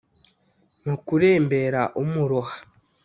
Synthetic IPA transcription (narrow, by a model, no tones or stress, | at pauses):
nokuɾeːmbe̞ɾaʔumuɾohḁ